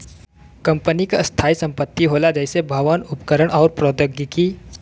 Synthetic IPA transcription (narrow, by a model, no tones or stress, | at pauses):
kə̃mpənikast̪ʰaːisə̃mpət̪ːiɦoːlad͡ʒɛːsebʱɐʋənʊpkəɾəɽ̃ʔɔːɾpɾɔːd̪əɡjəki